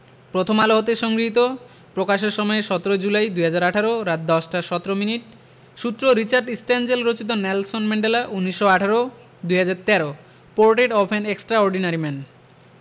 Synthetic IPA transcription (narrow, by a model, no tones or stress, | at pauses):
pɾot̪ʰomaloɦot̪eʃɔŋɡɾiɦit̪̬o | pɾokaʃ̬eɾʃɔmɔeʃɔt̪oɾod͡ʑulajd̪ujɦad͡ʑaɾaʈʰaɾoɾat̪̚d̪ɔsʈʰaʃɔt̪oɾominiʈ̚ | ʃut̪ːɾoɾit͡ɕaɾɖisʈɛnd͡ʑelɾot͡ɕit̪̬onɛlsonmɛɳɖelaʔunːiʃːoaʈʰaɾo | d̪uɦad͡ʑaɾt̪ɛɾo | poɾʈeʈɔpʰeneksʈɾaɔɾɖinaɾimɛn